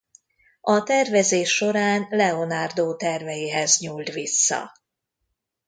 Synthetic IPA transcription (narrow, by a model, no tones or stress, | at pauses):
ʔɒt̪ɛrvɛzeːʃːo̞ɾaːnlɛo̞naːrd̪oːt̪ɛrvɛjiɦɛzɲuːlt̪ʋisːɒ̰